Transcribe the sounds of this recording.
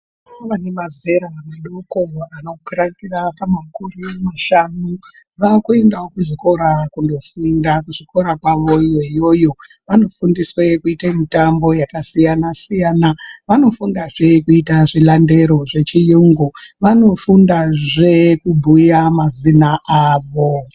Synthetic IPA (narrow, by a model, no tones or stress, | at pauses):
ʋanemaze̞ɾaneɗokoanokurakirapamakurimaʃanu | ʋakue̞ndaokuʐiko̞ɾakundo̞fundakuʐiko̞ɾakwaʋo̞jo̞ijo̞jo̞ | ʋano̞fundiswe̞kuitamitambo̞jakasijanasijaːnaʋano̞fundaʐe̞kuitaʐilande̞ɾo̞ʐe̞t͡ʃijuŋɡuʋano̞fundaʐe̞kubʱujamazinaʔaːʋo̞